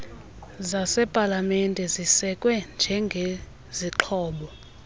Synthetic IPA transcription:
zasɛpʼalamɛndʼʱɛzisɛkʼwɛnd͡ʒʱɛŋɡʱe | ziǃʰɔːɓɔ

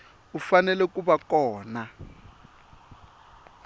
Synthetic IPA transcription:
ufanɛlɛkuβakɔːna

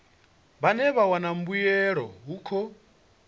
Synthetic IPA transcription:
βanɛβawanam̩bujɛɾɔɦukʰɔ

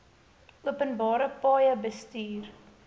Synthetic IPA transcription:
uəpənbɑːɾəpɑːjəbəstiːr

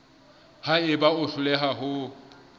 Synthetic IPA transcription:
haɪbaʊɬʊlɛɦaɦʊ

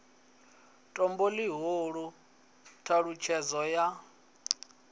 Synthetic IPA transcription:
tʼɔmboliɦoɺu | tʰaɺut͡ʃʰɛzɔja

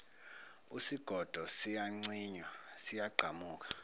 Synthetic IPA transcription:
usiɡ̥ʱɔd̥ʱɔsijaŋ͡ǀiːɲwasijaɡ͡ǃʱamuːk̬ḁ

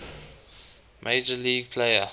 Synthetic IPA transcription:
mʔeɪd͡ʒəliːɡ̚pʰleɪə̰

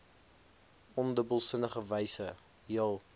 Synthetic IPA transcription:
ʔɔndəbəlˠsənəχəvəjsə | ɦiəlˠ

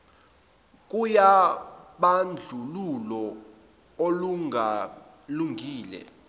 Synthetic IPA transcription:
k̬ʼujaɓand͡ɮʱululɔ | oluŋʱa | luŋɡʱiːlɛ̰

